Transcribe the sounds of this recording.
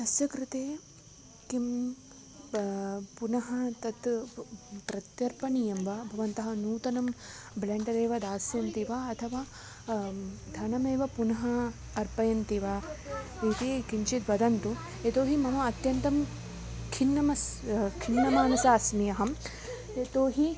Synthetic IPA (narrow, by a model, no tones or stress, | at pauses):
t̪ɐsjɐkɾɪt̪eː | kim | punɐɦɐt̪ɐt̪ | t̪ɾɐt̪jɐɾpɐnijɐmʋɐbʱɐʋɐnt̪ɐɦɐnuːt̪ɐnɐmblɐɳʈɐd̪eːʋɐd̪aːsjɐnt̪iʋaɐt̪ʰɐʋaː | d̪ʱɐnɐmeːʋɐpunɐɦɐː | ɾpɐjɐnt̪iʋa | it̪eːkint͡ʃit̪ʋɐd̪ɐnt̪u | et̪oːɦimɐmɐɐt̪jɐnt̪ɐm | kʰinːɐmɐskʰinːɐmaːnɐsaːsmijɐɦɐm | et̪oːɦi